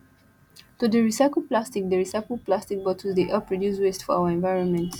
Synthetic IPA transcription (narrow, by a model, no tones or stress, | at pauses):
tudəɹisaɪkl̩ˠplastik̚d̪əɹisaɪkəl̩plastik̚bɔtʰəlzdeʔapʰɹɔdjuswestfɔa̰ʊəɛ̃nvaɪɹɔ̃nmɛ̃nt